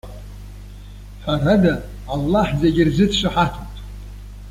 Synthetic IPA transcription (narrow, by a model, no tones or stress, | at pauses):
ħʷaradaː | lːaħzeɡʲɪrzɨdʰʂɨħatʰatʼ